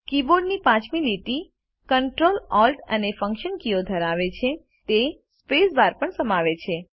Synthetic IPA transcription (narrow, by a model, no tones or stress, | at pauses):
kiboɾɖnipãt͡ʃmiliʈi | kəɳʈɾolɔlʈə̰nefə̃ŋkʃənkiod̪ʱəɾaʋet͡ʃʰe | t̪espesbaɾpəɳsəmaʋet͡ʃʰe